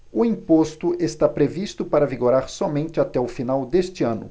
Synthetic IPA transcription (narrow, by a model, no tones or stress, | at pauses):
ʊĩpost̪ʊʔest̪apɾevist̪ʊpaɾɐviɡoɾaɾsɔmẽnt͡ʃɪat̪ɛʊfinawd̪est͡ʃɪɐ̃nʊ̰